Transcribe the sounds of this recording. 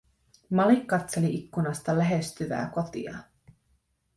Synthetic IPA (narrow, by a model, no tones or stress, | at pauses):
mɑlikːɑt̪se̞liʔikːunɑst̪ɑlæɦe̞st̪yʋæ̰ːko̞t̪ḭɑ̰